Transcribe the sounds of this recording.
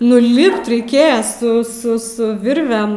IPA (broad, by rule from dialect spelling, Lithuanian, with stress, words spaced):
nʊ ˈlʲɪpt rʲɛɪˈkʲeːjɛ sʊ ˈsʊ ˈsʊ ˈʋʲɪrʲʋʲɛm